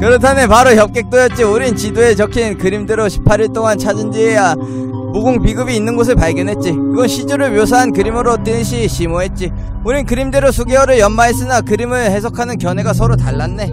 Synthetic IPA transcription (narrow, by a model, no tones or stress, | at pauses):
kɯɾʌtʰane̞paɾoçjʌp̚k͈e̞k̚t͈ojʌt̚t͡ɕ͈iuɾint͡ɕidoe̞t͡ɕʌkʰinkɯɾimdeɾoɕʰi̥pʰaɾiɭt͈oŋant͡ɕʰad͡ʑɯnd͡ʑieja | muɡuŋpiɡɯbiːnːɯnɡos̬ʰɯɭpaɭɡjʌnɦe̞t̚t͡ɕ͈ikɯɡʌnɕʰid͡ʑuɾɯɭmjosʰaɦankɯɾimɯɾot͈eɕʰiɕʰimoɦe̞t̚t͡ɕ͈i | uɾinkɯɾimde̞ɾosʰuɡeʌɾɯɭjʌnmaes͈ɯnakɯɾimɯɭhe̞s̬ʰʌkʰanɯnkjʌnɦe̞ɡasʰʌɾotaɭːanːe̞